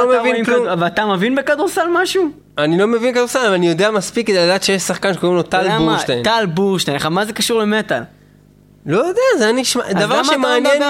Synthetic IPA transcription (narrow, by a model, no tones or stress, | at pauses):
omevinkluvat̪amevinbekad̪uʁsalmaʃu | anilo̞me̞vinkad̪uʁsalavanijo̞d̪eamaspikːed̪ejladaːt̪ʃejeʃsaχkanʃeko̞imlo̞t̪albuʃtentalbuʁʃt̪enleχamazekaʃuʁlemet̪al | lo̞jod̪eazeaniʃmad̪avaʁʃemaːnjen